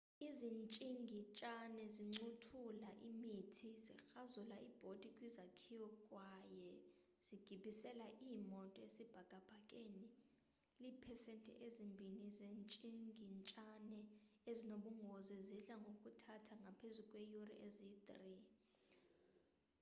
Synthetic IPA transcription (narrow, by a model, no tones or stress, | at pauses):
izint͡ʃʼiŋɡʱit͡ʃʼanɛziŋ͡ǀutʰulaʔimitʰizixazulaʔib̥ʱod̥ʱikʼwizakʰiwɔkʼwajɛ | z̥iɡ̥ʱiɓisɛlaʔimɔtʼɔesib̥ʱaɡ̥ʱʼab̥ʱakʼeni | liːpʰɛsentʼɛ̰ʔezimbʱinizent͡ʃʼiŋʱint͡ʃʼanɛezinoɓuŋɡʱozɛziɬaŋɡʱokʼutʰatʰaŋɡʱapʰezukʼwejurḭʔezit̪ʼri